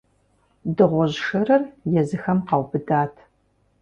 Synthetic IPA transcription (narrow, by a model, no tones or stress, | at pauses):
dɨʁʷɔʑʃɐɾɐrjɛzɨxɐmqɑwbɨdaːtʰ